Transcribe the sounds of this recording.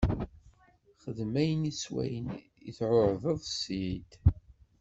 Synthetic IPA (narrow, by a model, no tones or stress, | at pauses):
χəðmæjəniswæ̰jən | ḭθʕʊɾðəðˤsid̪